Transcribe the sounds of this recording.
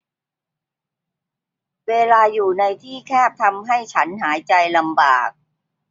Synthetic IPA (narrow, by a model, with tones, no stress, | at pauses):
weː˧laː˧juː˨˩na˧jt̪ʰiː˥˩kʰɛː˥˩p̚t̪ʰa˧mɦa˥˩jt͡ɕʰa˦˥nɦaː˩˦jt͡ɕa˧jla˧mba̰ː˨˩k̚